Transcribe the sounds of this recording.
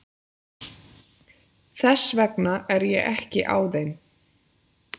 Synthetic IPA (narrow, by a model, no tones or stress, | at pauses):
θɛsːvɛknaɛɾjɛɛhcɪʔa̰wðejn